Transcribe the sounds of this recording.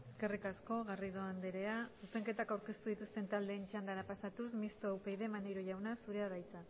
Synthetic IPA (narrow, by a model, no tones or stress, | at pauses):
e̞ske̞rikasko̞ɣariðo̞and̪eɾe̞asuse̞ŋke̞t̪akawɾke̞st̪uð̞it̪ust̪e̞nt̪ald̪e̞ːnt͡ʃand̪aɾapasat̪usmist̪oawpejðe̞manjɾoʝawnasuɾe̞aðajt͡sa